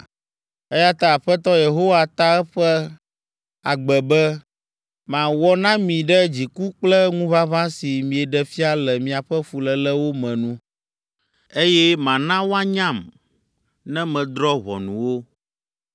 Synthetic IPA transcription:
e˦ja˦t̪a˦a˨ɸɛ˦t̪ɔ˦je˨ɦo˦wa˦t̪a˦ɛ˦ɸɛ˦ | a˨ɡ͡bɛ˨bɛ˦ | mã˨wɔ˦nã˦mĩ˨ɖɛ˦d͡ʑi˨ku˦k͡plɛ˦ŋũ˦va˦vã˦si˨mĩ˨ɛ˨ɖɛ˨fi˦a˦lɛ˨mĩ˨a˨ɸɛ˦fu˨lɛ˨lɛ˦wo˦mɛ̃˨nũ˦ | e˦jɛ˦mã˨nã˦wo˦a˦ɲã˦˨m | nɛ̃˦mɛ̃˨d̪ɾɔ˦βɔ̰˨nũ˨wo˦

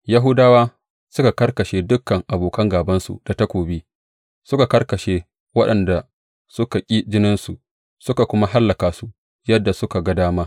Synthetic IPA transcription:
ja˦ɦʊ˦daː˦waː˦ | sʊ˦ka˨kɐ˦rkɐ˨ʃeː˦dʊ˦kːɐ˨ŋʔa˨boː˨kɐ˦ŋɡaː˨bɐ˦nsṵ˨d̥a˨ta˦kʷoː˨biː˦ | sʊ˦ka˨kɐ˦rkɐ˨ʃeː˦ | wɐ˦ɗɐ˨nda˨ | sʊ˦ka˨kʲʼiː˦d͡ʒɪ˦nɪ˦nsu˨ʔ | sʊ˦ka˨kʷʊ˦ma˦ɦa˦lːɐ˨kaː˨su˦ | jɐ˦dːa˨sʊ˦ka˨ɡɐ˦daː˦maː˦

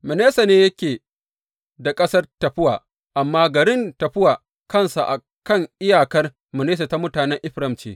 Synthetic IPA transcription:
mɐ˨neː˦sa˨neː˦jɐ˦kʲeː˨ | da˨kʼɐ˦sɐ˦rtɐ˨ɸɪ˦waː˨ | ʔa˨mːaː˦ɡɐ˨ɾɪ˦ntɐ˨ɸɪ˦waː˨ | kɐ˦˨nsa˨ʔa̰˨ | kɐ˦˨ŋʔɪ˦jaː˨kɐ˦r | mɐ˨neː˦s̬a˨ta˦mʊ˦taː˨nɛ˦ŋʔɪ˦ɸɾɐ˦˨mt͡ʃḛː˦

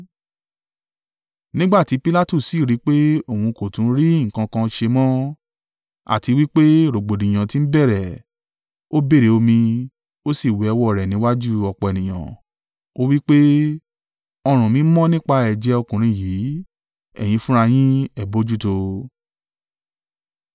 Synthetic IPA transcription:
nĩ˦ɡ͡ba˦˨ti˨˦pi˦la˦tu˦˨si˨ɾi˨˦k͡pe˦o˦˨hũ˧ko˨tũ˨˦ɾi˦ŋ̩˨kã˧kã˧ʃe˧mɔ̃˦ | a̰˨ti˧wi˦k͡pe˦ɾo˨ɡ͡bo˨dĩ˨j̃ã˨ti˧˦n̩˦bɛ˦˨ɾɛ˨ | o˦be˦˨ɾe˨˦o˧mĩ˧ | o˦si˦˨we˨˦ɛ˧wɔ˦˨ɾɛ˨nĩ˨˦wa˦d͡ʒu˦ɔ˧k͡pɔ˨ɛ˨nĩ˨j̃ã̰˨ | o˦wi˦k͡pe˦ | ɔ˧ɾ̃ũ˨mĩ˨˦mɔ̃˦nĩ˦k͡pa˦˧ɛ˨d͡ʒɛ˧˦ɔ˧kũ˨ɾ̃ĩ˧˦˨jiː˨˦ | ɛ̰˦˨j̃ĩ˧fũ˦ɾ̃a˧j̃ĩ˦ɛ˦˨bo˨˦d͡ʒu˦to˧

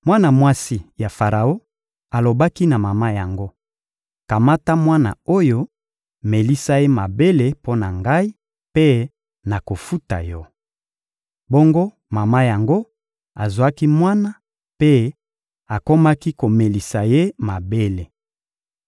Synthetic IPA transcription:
mwa˦na˨mwa˦si˦ja˨fa˨ʁa˨o˦ | a˨lo˨ba˦ki˦na˨ma˨ma˦ja˨ŋɡo˦ | ka˨ma˦ta˦mwa˦na̰˨o˦jo˦ | me˨li˦sa˦je˦ma˨be˦le˦po˦na˨ŋɡa˦i˦ | pe˦ | na˨ko˨fu˦ta̰˨jɔ˦ | bo˦ŋɡo˦ | ma˨ma˦ja˨ŋɡo˦ | a˨zwa˦ki˦mwa˦na˦ | pe˦ | a˨ko˦ma˦ki˦ko˨me˨li˨sa˨je˦ma˨be˦le˨

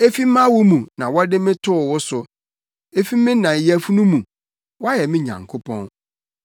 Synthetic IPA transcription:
e˦fi˦mã˦wʊ˦mũ˨nã˨wɔ˦dɪ˦mɪ̃˦tʰʊ˦ʊ˨wʊ˦sʊ˨ | e˦fi˦mːɪ̃˦nã˨jæ˨fu˦nũ˦mũ˨ | wɔ˦a˦jɛ˨mɪ̃˦ɲã̰˨ŋkʰo˦pʰɔ̰̃˦n

